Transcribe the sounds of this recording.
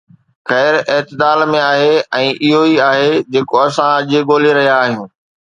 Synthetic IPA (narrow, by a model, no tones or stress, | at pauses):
xɛːɾɪːt̪ɪd̪aːlmẽaːɦeɛ̃ːʔɪɦoiaːɦed͡ʑeːkoɐsãɐʄeɠoːleɾɐɦijaːɦijũː